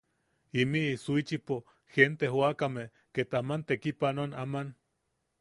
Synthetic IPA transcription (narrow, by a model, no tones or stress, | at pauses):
imiisuit͡ʃipo | hent̪ehwakame | ket̪amant̪ekipanonaman